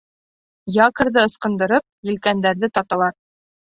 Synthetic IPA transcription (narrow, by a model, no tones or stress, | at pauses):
jɑkɤ̆ɾðɤɤ̆sqɤ̆nd̪ɤ̆ɾɤp̚jɘ̆lkænd̪æɾðɘt̪ɑt̪ɑlˠɑɾ